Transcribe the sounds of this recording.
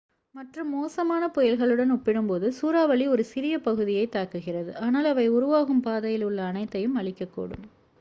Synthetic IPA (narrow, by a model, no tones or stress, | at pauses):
mɐʈrɯmːoːsɐmaːnɐpɔjɪlɣɐɭɯɽɐnʊpːɪɽɯmpoːðɯsuːɾaːʋɐɭiɔɾɯsɪɾɪjɐpɐɣɯðɪjɐɪt̪ːaːɾkɯɣɪrɐðɯʔaːnaːlɐʋɐɪʊɾʊʋaːɣɯmpaːðɐjɪlʊɭːɐːnɐɪt̪ːɐjɯmɐɭɪkʲːɐkːṵːɽɯ̰m